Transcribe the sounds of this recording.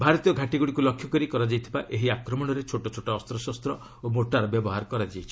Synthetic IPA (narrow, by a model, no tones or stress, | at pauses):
bʱaɾɔt̪ijɔɡʱaʈiɡuɽikulɔkʰjɔkɔɾikɔɾad͡ʒajt̪ʰibaʔeɦiakɾɔmɔɽ̃ɔɾet͡ʃʰoʈɔt͡ʃʰoʈaɔst̪ɾɔsɔst̪ɾɔ | omoʈaɾɔbjɔbɔɦaɾɔkɔɾad͡ʒajt͡ʃʰi